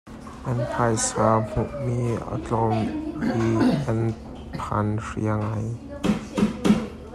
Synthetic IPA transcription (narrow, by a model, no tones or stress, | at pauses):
ʔɐnpʰajsaːm̥uʔmiːa̰t͡ɬɔmiʔɐn | pʰa̰nrḭəŋaj